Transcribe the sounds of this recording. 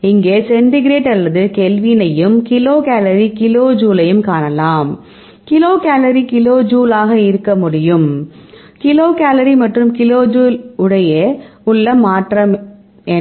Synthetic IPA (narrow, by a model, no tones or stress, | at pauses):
ɪŋɡeːsɛnɖɪɡɪɾeːʈːɐlːɐðɯkɛlʋɪnɐjɯmkɪloːkaːlɐɾikɪloːd͡ʒuːlɐjɯmkaːnɐlaːm | kɪloːkaːlɐɾikɪloːd͡ʒuːlaːɣɐɪɾɯkːɐmʊɽɪjɯm | kɪloːkaːlɐɾimɐʈrɯmkɪloːd͡ʒuːlʊɽɐjɐʊɭːɐmaːʈrɐm | ɛ